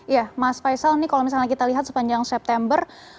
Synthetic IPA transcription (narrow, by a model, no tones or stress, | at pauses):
jamasfajsalnikalomis̬alnakit̪aliɦat̪̚sə̥paɲd͡ʒaŋsɛp̚t̪ɛmbər